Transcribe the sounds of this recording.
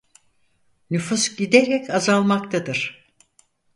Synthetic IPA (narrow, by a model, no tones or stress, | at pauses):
nyfusɟid̪eɾɛcʰazalˠmakt̪ʰad̪ɯɾ̥